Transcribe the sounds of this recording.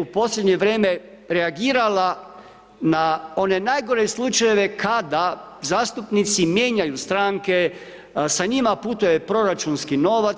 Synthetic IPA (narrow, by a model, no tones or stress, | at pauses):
upo̞sʎʲed̪ɲe̞ʋɾeːme̞ | ɾeaɡiːɾala | nao̞nenaːjɡo̞ɾeslut͡ʃaje̞ʋe̞kad̪a | zaːst̪upnit̪simjeːɲajust̪ɾaŋke̞ | saɲimaput̪uje̞pɾo̞ɾat͡ʃunskino̞ʋa